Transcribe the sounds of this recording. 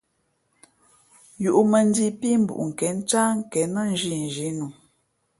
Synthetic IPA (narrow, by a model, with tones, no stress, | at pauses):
ju˨ʔu˨mə˨n̩˦di˦pi˦m̩˦bṵ˨ʔŋ̩˨kɛ˨˦n̩˦t͡ʃa˦ŋ̩˦˨kɛ˨nə˦n̩˦ʒi˦n˨ʒi˨˦nu˨